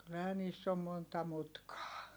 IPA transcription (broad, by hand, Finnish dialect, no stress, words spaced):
kylːæhæ niːsː om montɑ mutkɑː